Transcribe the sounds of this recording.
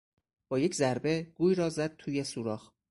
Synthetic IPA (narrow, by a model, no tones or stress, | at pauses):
b̥ɒːje̞cʰzæɾbe̞ɡ̥uːjɾɒːzæd̪̥̚t̪ʰuːjesuːɾɒːx